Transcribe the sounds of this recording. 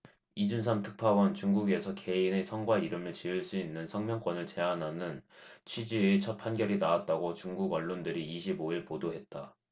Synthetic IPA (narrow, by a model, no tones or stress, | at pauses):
id͡ʑunsʰamtʰɯ̥k̚pʰawʌnt͡ɕuŋɡuɡe̞sʰʌke̞ine̞sʰʌŋɡwaiɾɯmɯɭt͡ɕiɯɭs͈uinːɯnsʰʌŋmjʌŋk͈wʌnɯɭt͡ɕe̞anɦanɯnt͡ɕʰɥid͡ʑiet͡ɕʰʌt̚pʰanɡjʌɾinaat̚t͈aɡot͡ɕuŋɡuɡʌɭːondɯɾiːɕʰiboiɭpodoɦet̚t͈a